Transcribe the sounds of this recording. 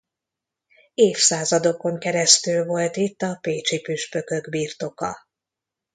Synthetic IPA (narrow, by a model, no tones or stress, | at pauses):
eːfsaːzɒd̪o̞ko̞ŋkɛɾɛst̪ylvo̞lt̪it̪ːɒpeːt͡ʃipyʃpø̞kø̞ɡbiːrt̪o̞kɒ